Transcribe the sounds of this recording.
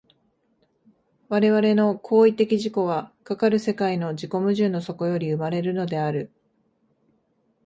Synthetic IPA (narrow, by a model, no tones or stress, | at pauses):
βaɾe̞βaɾe̞no̞kʰo̞ːit̪e̞kʲiʑiko̞βakakaɾɯ̟se̞kaino̞d͡ʑiko̞mɯ̟ʑɨːnːoso̞ko̞jo̞ɾʲiɯ̟maɾe̞ɾɯ̟no̞d̪e̞aɾɯ̟